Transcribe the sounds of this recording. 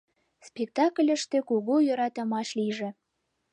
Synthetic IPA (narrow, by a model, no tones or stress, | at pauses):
spek̚t̪ɑklʲə̆ʃt̪ĕkuɣujø̆ɾɑt̪ə̆mɑʃliʒĕ